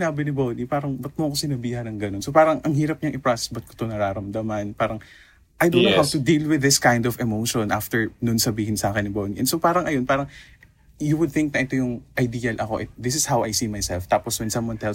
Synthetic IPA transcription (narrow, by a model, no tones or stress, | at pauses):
naːbɪnɪbownipaːɾɐŋbɐt̪̚moʔɐkosɪnɐbiːɦɐnɐŋɡɐnonsopaːɾɐŋʔɐŋɦiːɾɐp̚ɲɐŋʔɪpɹasɛ̥sbɐt̪̚ko̥t̪onɐɾaːɾɐmd̪ɐmɐnpaːɾɐŋ | ʔɐjd̪onɐhavt̪ʊd̪ilwɪðɪskajnd̪ɔvɛmowʃõnʔaft̪ɛɹnonsɐbiːhɪnsaːkɛnːɪbowniʔɛnsopaːɾɐŋʔɐjo̞npaːɾɐŋ | juwʊd̪̚θɪ̃ŋk̚nɐʔɪt̪o̞jʊŋʔɐjd̪iːɐlʔɐko̞ʔɪt̪̚ðɪsɪshawʔɐjsiːmajsɛlft̪aːposwɛnsɐ̃mwɐnt̪ɛl